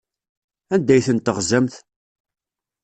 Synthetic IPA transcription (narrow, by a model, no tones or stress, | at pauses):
ænd̪æjθənt̪əʁzæmθ